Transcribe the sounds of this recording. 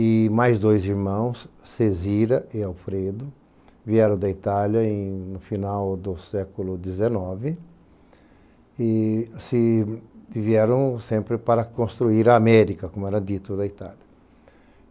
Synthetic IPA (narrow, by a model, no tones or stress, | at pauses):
ɪmajzd̪ojziɾmɐ̃w̃sːeziɾɐʔɪawfɾed̪ʊ | viɛɾɐ̃w̃d̪ɐit̪aljɐẽj̃nʊfinawd̪ʊsɛkʊlʊd̪ezenɔvɪ | ɪsɪ | iviɛɾɐ̃w̃sẽmpɾɪpaɾɐkõst̪ɾuiɾɐːmɛɾikɐkõmʊɛɾɐd̪it̪ʊd̪ɐit̪a̰ljɐ